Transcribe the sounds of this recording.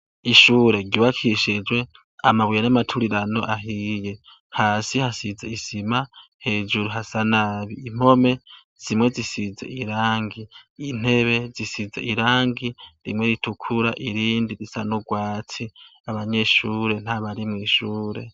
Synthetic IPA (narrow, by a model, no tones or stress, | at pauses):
iʃuːɾe̞ɡɟuβakʰiʃid͡ʒwe̞ | amaβujanamatʰuɾiɾano̞̰ʔaɦije̞ | haːsihasizeisimahe̞ːd͡ʒuɾuɦasanaβiim̥o̞me̞ | z̥imwe̞zisizḛiɾaːŋɡiːn̥e̞βe̞zisizeʔiɾaːŋɡiɾḭmwe̞ɾitʰukʰuɾaʔiɾiːndiɾisanuɡwaːt͡sʰiaβaɲe̞ʃuːɾe̞n̥haβaɾimŋiːʃuːɾe̞̰